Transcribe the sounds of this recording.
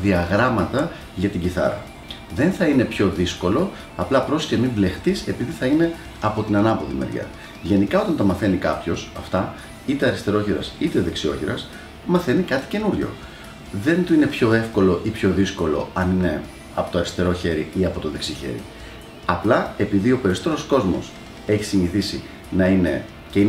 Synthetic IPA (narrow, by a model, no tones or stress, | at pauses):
ðiɐɣɾɐmɐt̪ɐ | ʝɐt̪iɟiθɐ̰ɾɐ̰ | ðe̞nθɐine̞pço̞ðisko̞lo̞ | ɐplɐpɾo̞si̥temimble̞xt̪ise̞piðiθɐine̞ | ɐpo̞t̪inɐnɐpoðḭmḛɾʝɐ̰ | ʝe̞nikɐo̞t̪ɐnt̪ɐmɐθe̞nikɐpço̞sɐft̪ɐ | it̪e̞ɐɾist̪e̞ɾo̞çiɾɐ̰sit̪e̞ðeksio̞̰çiɾɐs | mɐθe̞nikɐt̪i̥ce̞nuɾʝo̞̰ | ðe̞nt̪uine̞pço̞e̞fko̞lo̞ʔipço̞ðisko̞lo̞̰ɐnine̞ | ɐpo̞t̪oɐɾist̪e̞ɾo̞çe̞ɾḭʔiɐpo̞t̪o̞ðeksiçḛɾḭ | ɐplɐe̞piðio̞pe̞ɾisot̪eɾo̞sko̞zmo̞̰s | e̞çi̥siɲiθisi | nɐine̞ | cei